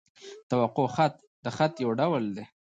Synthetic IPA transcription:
t̪awaqoxat̪̚ | d̪əxat̪jawɖawld̪e

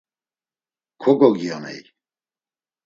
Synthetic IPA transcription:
kʰɔɡɔɡianɛ̰j

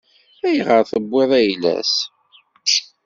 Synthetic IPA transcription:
æjʁəɾθəbʷːɪðˤæjlæ̰s | ʃ

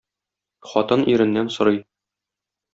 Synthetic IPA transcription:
χɒt̪ɤnʔiɾɘ̆nːænsŏɾɤj

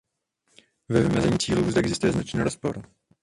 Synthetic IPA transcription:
vɛvɪmɛzɛɲiːt͡siːluːzd̪ɛʔɛɡzɪst̪ujɛznat͡ʃniːɾospo̰ɾ

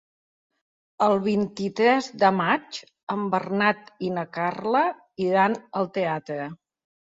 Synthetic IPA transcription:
əlˠβint̪it̪ɾɛzd̪əmat͡ʃ | əmbərnat̪inəkarlə | iɾanəlˠt̪eat̪ɾə

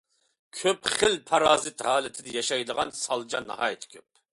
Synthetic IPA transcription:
kʲʰøpχɪlpʰɑɾɑːzɪt̪ɦɑːlɪt̪ʰɪd̪ɛjɑʃɑjd̪əʁɑnsɑlˠd͡ʒɑnːɑ̰hɑ̰ːjit̪ʰɪ̥kʲʰøp̚

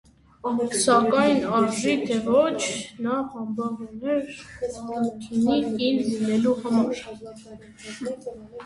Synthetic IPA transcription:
sɑkɑjnɑɾʒit̪ʰɛvɔt͡ʃʰnɑhɑmbɑʁunɛɾ | k̪ʰinikinlinɛluhɑmɑɾ

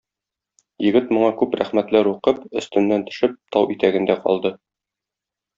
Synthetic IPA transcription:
jɘ̆ɡɘt̪mŏɴɑkʉpɾæ̰χmæt̪læɾuqɤpɵ̆st̪ɵ̆nːænt̪ɵ̥̆ʃɘp̚t̪ʰɒwʔit̪æɡɘ̆nd̪æqɒ̰lˠd̪ɤ

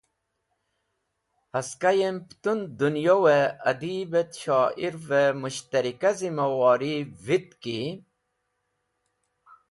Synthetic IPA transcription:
hɐskajempt̪und̪unjoweɐd̪ibet̪ɕɑːʔiɾvemuɕt̪ɐɾikazimɐwɑːɾivit̪ki

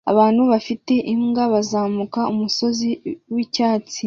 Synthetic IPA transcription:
a̰βaːnhuβafite̞ʔimɡaβazaːmukaumuso̞ziwicaːt͡si

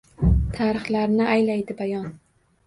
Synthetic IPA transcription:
t̪ʰaɾɨχlaɾnɪajlajd̪ɪbajɒn

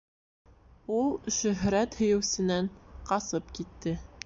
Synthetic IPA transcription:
ulˠʃɵ̆ɦɾæt̪hɵ̆jɘ̆wsɘ̆næɴqɑsɤpkit̪ːɘ

